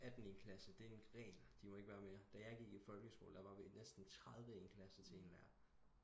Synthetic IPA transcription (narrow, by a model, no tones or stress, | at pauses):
æd̥n̩e̝nkʰlæsəd̥e̝e̝nɡ̥ʁɛ̰ːld̥imɒ̽e̝ɡ̥ʋæːɐme̝ːɐd̥æjɑ̈ɪɡ̥iɡ̥id̥fɒ̽lɡ̥əsɡ̥o̰ːld̥ɑ̈ʋɑ̈ʋenesd̥n̩t͡sʰʁað̞ˠʋəenkʰlæsət͡sʰe̝e̝ːnʋæ̰ɐ̰